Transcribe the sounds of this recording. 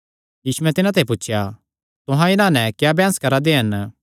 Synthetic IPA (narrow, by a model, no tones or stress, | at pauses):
jiːsuɛ̃t̪ɪnãt̪eip̬utːʃʰja | t̪ʊɦãɪnãnɛ̃kjaːbʱjaːskɐɾad̪eɦɐn